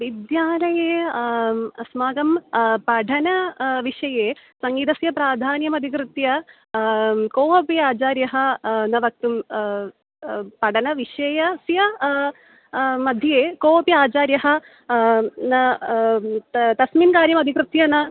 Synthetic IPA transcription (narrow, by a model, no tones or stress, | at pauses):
ʋid̪jaːlɐjeː | ɐsmaːɡɐmpɐɖʰʱɐnɐʋiʂɐjeːsɐŋɡiːd̪ɐsjɐpɾaːd̪ʱaːnjɐmɐd̪ʱikɾɨt̪jɐ | koːpiaːt͡ʃaːɾjɐɦɐ̆nɐʋɐk̚t̪um | pɐɖʰɐnɐʋiʂɐjɐsjɐ | mɐd̪ʱjɐjeːkoːpijaːt͡ʃaːɾjɐɦɐ̆ | nɐ | t̪ɐsmiːnkaːɾjɐmɐd̪ʱikɾɨt̪jɐnɐ